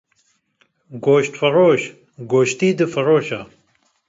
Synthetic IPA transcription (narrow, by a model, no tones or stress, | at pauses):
ɡoːɕt̪fɐɾoːɕ | ɡoːɕt̪iːd̪ɨfɐɾoːɕa